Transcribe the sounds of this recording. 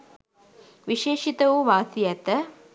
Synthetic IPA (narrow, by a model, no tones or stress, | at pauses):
ʋiʃeːʃit̪əʋuʋaːsijɛt̪ə